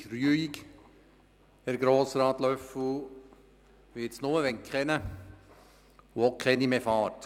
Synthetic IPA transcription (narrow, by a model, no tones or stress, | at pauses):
ryəik | ɛɾɡɾoːsɾɑːt̪lœfə | ʋɪɪt͡snʊməʋɛŋkχɛnə | wɔkʰχɛnimefɑːɾt